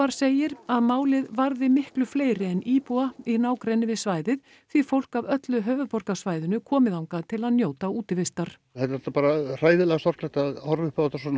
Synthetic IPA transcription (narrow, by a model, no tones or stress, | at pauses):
aɾ̥seːjɪɾaðmaːwlɪðvaɾðɪmɪhklʏfleːjɾɪɛnʔiːpuainaːwkɾejnɪvɪðsvaːjðɪð | θvifowl̥kavœt̪lʏɦœːvʏpɔɾkasvaːjðʏnʏkʰɔːmɪðawŋkat̪ʰɪlaðnjoːwt̪auːt̪ɪvɪst̪aɾ̥ | hɛlt̪ɾɛ̥t̪apaːɾar̥ajðɪlɛɣast̪ɔɾ̥klɛht̪aðhɔɾvʏhpat̪ːasɔn